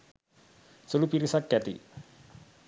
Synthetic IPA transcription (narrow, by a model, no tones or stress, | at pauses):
sulupiɾisakat̪ḭ